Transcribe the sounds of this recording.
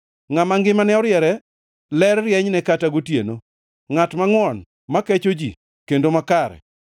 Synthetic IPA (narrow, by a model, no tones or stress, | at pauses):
ŋamaŋɡɪmanɛɔɾjɛɾɛ | lɛrrjɛɲnɛkataɡotjeno | ŋatmaŋwɔn | makɛt͡ʃod͡ʒi | kendomakaɾɛ̰